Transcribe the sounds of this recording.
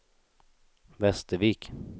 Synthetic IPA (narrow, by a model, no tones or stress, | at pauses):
vɛst̪əviːk